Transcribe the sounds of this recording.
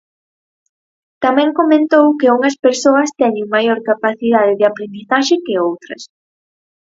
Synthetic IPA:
t̪amɛ̃ŋkomẽnt̪owkɪuŋɐspeɾsoɐst̪ɛɲeŋmajoɾkapaθiðað̞ɪðɪapɾend̪iθaʃɪkɪowt̪ɾɐs

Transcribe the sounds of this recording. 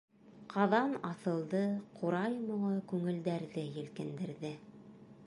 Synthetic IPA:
qʰɑðɑnɑθɤ̆lˠd̪ɤqʰuɾɑjmŏɴɤkʉŋɘ̆ld̪æɾðɘjɘ̆lkɘ̆nd̪ɘ̆ɾðɘ

